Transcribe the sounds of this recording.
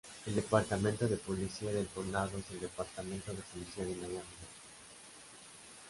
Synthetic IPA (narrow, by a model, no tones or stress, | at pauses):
eld̪epaɾt̪amẽnt̪oðepolisiaðeltonaðoezeld̪epaɾt̪ament̪oðepolisiaðenajambɾa